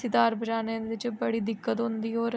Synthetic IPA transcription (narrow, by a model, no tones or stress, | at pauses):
sɪt̪aːɾbʱəd͡ʒaːnẽːd̪ɪt͡ʃbəɽiːd̪ɪkːət̪ɦʊnd̪iːɦoːɾ